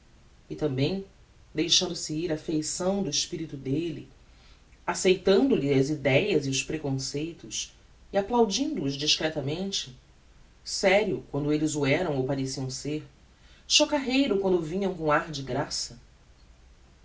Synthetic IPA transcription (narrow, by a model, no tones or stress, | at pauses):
ɪt̪ɐ̃mbẽj̃ | d̪ejʃɐ̃nd̪ʊsɪiɾɐfejsɐ̃w̃d̪ʊɪʃpiɾit̪ʊd̪eli | asejt̪ɐ̃nd̪ʊliɐzid̪ɛjɐziʊspɾekõsejt̪ʊs | iaplawd͡ʒĩnd̪ʊːzd͡ʒiʃkɾɛt̪ɐmẽnt͡ʃɪ̥ | sɛɾjʊkwɐ̃nd̪ʊelɪzʊɛɾɐ̃w̃owpaɾesiɐ̃w̃seɾ | ʃokaɦejɾʊkwɐ̃nd̪ʊvĩɲɐ̃w̃kõaɾd͡ʒɪɡɾasɐ